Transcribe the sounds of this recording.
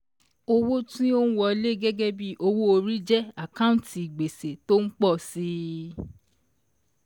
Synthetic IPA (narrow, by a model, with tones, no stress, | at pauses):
o˧wo˦tĩ˦o˦n̩˦wɔ˧le˦˨ɡɛ˦ɡɛ˦bi˦˨ʔo˧wo˦o˧ɾi˦d͡ʒɛ˦a˦˨kã˦ũ˦ti˨ɡ͡be˨se˨to˦n̩˦k͡pɔ˦˨si˦